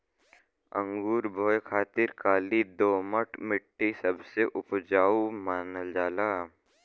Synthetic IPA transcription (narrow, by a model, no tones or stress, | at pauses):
ə̰̃ŋɡuːɾbʱoːjkʰaːt̪ɪɾkaːlid̪oːməʈmɪʈʰːisəbseʔʊpd͡ʒaːumaːnəld͡ʒaːlaː